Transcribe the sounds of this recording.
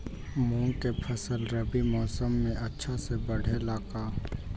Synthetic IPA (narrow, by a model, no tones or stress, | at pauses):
mũːkepʰəsəlɾəbimɔːsəmːẽʔɐtːʃʰasebɐɽ̤elaːkaː